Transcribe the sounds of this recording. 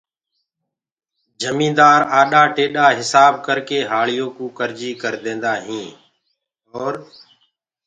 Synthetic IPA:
d͡ʒəmĩːd̪aːɾaːɗaːʈeːɗaːɦɪsaːb̚kəɾkeːɦaːɭɪjoːkũːkəɾd͡ʒiːkəɾd̪ẽːnd̪aːɦĩː | ɔːɾ

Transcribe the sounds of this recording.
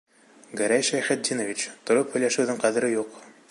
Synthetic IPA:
ɡæɾæjʃæjχæt̪̚d̪ʲinovʲit͡ɕt̪ŏɾophɵ̆jlæʃɘ̆wðɘŋqæðɘ̆ɾɘjuq

